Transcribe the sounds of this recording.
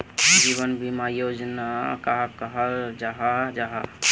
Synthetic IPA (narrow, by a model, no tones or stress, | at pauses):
d͡ʒiβənbimajod͡ʒnakaɦkəɦəld͡ʒaɦad͡ʒaɦa